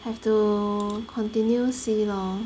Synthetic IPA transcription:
hɛvtu | kʰɔ̃ntĩnjusilɔ̃ŋ

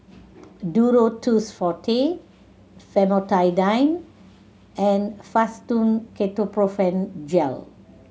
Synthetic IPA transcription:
duɹotusfɔtʰe | fɛmotajdãjn | ɛ̃nfastũnkʰetopɹofɛ̃nd͡ʒɛ̰l

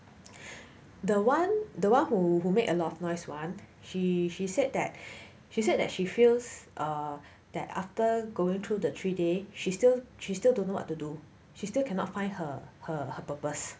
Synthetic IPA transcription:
dəwãndəwãnhuɦumekəlɔtɔfnɔɪswãn | ʃiʃised̚dɛt̚ | ʃised̚dɛ̰t̚ʃifilsʔʌ | d̥ɛ̰ta̰ftəɡoɪ̃ŋt̪ʰɹudətʰɹideʃistilʃistildõnːowɔ̰tːudu | ʃistilkʰɛnɔ̰tfãɪ̃ndhəhəhəpəpəs

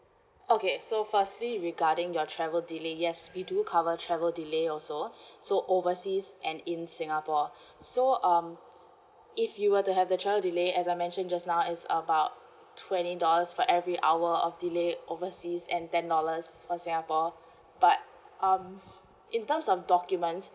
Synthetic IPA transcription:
okesofəstliɹiɡadɪ̃ŋjɔtʰɹɛvəldilejɛswidukʰavətʰɹɛvəldileɔsosoʔovəsisʔɛ̃nɪ̃nsɪ̃ŋəpɔ | soʔʌ̃m | ɪfjuwətuɦɛvdətʰɹɛvəldileɛsajmɛ̃nʃə̃nd͡ʒasnaʊɪtsə̰baʊt̚ | tʰwɛ̃nidɔləsfɔʔɛvɹiʔawəɔfdileʔovəsisɛ̃ntɛ̃ndɔləsfɔsɪ̃ŋəpɔ | b̥at̚ | ʔʌ̃m | ɪ̃ntəmsɔfdɔkjumə̃nts

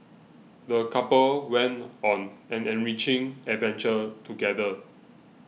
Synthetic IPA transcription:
dəkapəlwɛ̃ntɔ̃nɛ̃nɛ̃nɹit͡ʃɪ̃ŋɛdvɛ̃nt͡ʃətuɡɛdə

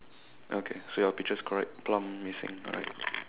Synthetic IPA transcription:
ʔokʰesojɔpik̚t͡ʃəskʰɔɹɛ̰k̚plãmːisɪ̰̃ŋɔ̰ɹa̰ɪt̚

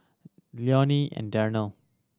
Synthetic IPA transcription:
ljɔniɛ̰̃ndɛɹnəlˠ

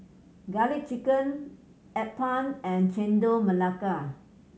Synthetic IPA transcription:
ɡalit͡ʃikə̃n | ɛpãnɛ̃nt͡ʃɛ̃ndoməlaka

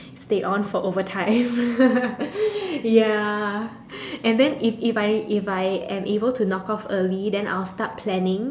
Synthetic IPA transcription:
steʔɔ̃nfɔʔovətʰãɪ̃m | ja | ʔɛ̃ndɛ̃nififaɪifajɛ̃mʔebəltʰunɔkɔfəlidɛ̃nʔa̰ɪlstat̚pʰlɛnɪ̃ŋ

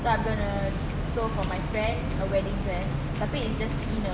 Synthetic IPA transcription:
soãjmɡɔ̃nə | sofɔmajfɹɛ̃nd | əwɛdĩŋdɹɛs | t̪apĩɪtsd͡ʒastĩnə

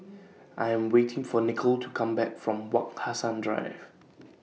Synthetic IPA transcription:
ʔaɪɛ̃mwetʰɪ̃ŋfɔnɪkʰəltʰukʰãmbɛkfɹɔ̃mwakhasãndɹa̰ɪv̥

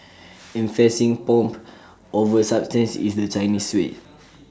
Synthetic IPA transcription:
ĩɱfɛsĩŋpɔ̃mp | ʔovəsap̚stə̃nsḭsdət͡ʃaɪniswet

